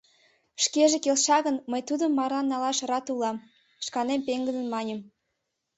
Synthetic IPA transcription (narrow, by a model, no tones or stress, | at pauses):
ʃkeʒekelʃɑɣənməjt̪ud̪əmːɑrɑnːɑlɑʃrɑt̪ulɑm | ʃkɑnempeŋɡəd̪ə̆nmɑnʲəm